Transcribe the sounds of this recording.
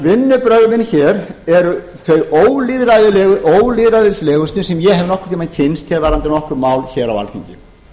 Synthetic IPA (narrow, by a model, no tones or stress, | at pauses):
vɪnːʏpɾœɣmɪnçɛːɾɛɾʏ | θœɥoːwlɪðɾaðɪɛʔowlɪðɾaðɪslɛːɣʏst̪nɪsɛmjɛhɛvnɔhkʏɾ̥ʰɪlmajnt̪ʰɪnst̪ʰɛlvaɾant̪ɪɾnɔhkʏɾmaːwlçɛːɾa̰wa̰lçʰiɲcɪ̰